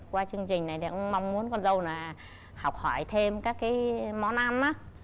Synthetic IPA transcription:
kwaː˧t͡ɕɨ˧əŋt͡ɕï˨˩ŋ̟na˨˩jt̪ʰa˨˩ʔə˧wŋ͡mma˧wŋ͡mmu˨˦ənkɔ˧nzə˧wnaː˨˩ | ha˨˩k͡p̚hɔ˧˩jt̪ʰe˧mkaː˦˥kːaː˨˦jmɔ˨˦nʔaː˧mʔa˨˦

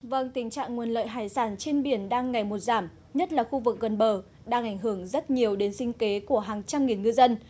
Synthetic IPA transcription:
və˧ŋt̪ï˨˩ŋ̟t͡ɕa̰ː˧˨ŋŋu˨˩ənlə̰ː˧˨jɦaː˧˩jsaː˧˩nt͡ɕe˧nɓi˧˩ənɗaː˧ŋːa˨˩jmo˨˩t̚zaː˧˩m | ɲə˦˥t̚laː˨˩xu˧vɨ˨˩k̚ɣə˨˩nɓəː˨˩ | ɗaː˧ŋʔa˧˩jŋ̟ɦɨ˧˩əŋzə˦˥t̚ɲi˨˩əwɗe˨˦nsï˧ŋ̟ke˨˦ku˧˩əɦaː˨˩ŋt͡ɕa˧mŋi˨˩nŋɨ˧zə˧n

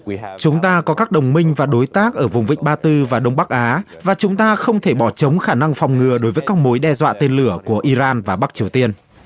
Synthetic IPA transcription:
t͡ɕʊ˨˦ŋ͡mt̪aː˧kɔ˨˦kaː˦˥k̚ɗə˨˩wŋ͡mmï˧ŋ̟vaː˨˩ɗo˨˦jt̪aː˦˥k̚ʔəː˧˩vʊ˨˩ŋ͡mvḭ˧˨ŋ̟̚ɓaː˧t̪ɨ˧vaː˨˩ɗə˧wŋ͡mɓa˦˥k̚ʔaː˨˦ | vaː˨˩t͡ɕʊ˨˦ŋ͡mt̪aː˧xə˧wŋ͡mt̪ʰe˧˩ɓɔ˧˩t͡ɕə˨˦wŋ͡mxaː˧˩na˧ŋfa˨˩wŋ͡mŋɨ˨˩əɗo˨˦jvəː˨˦jkaː˦˥k̚mo˨˦jɗɛ˧zwa̰ː˧˨t̪e˧nlɨ˧˩əku˧˩əʔi˧zaː˧nvaː˨˩ɓa˦˥k̚t͡ɕi˨˩əwt̪i˧ən

